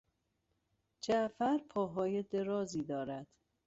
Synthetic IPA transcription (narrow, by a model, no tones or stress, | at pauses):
d͡ʒæfæɾpʰɒːɦɒːjed̪e̞ɾɒːziːd̪ɒːɾæd̪̥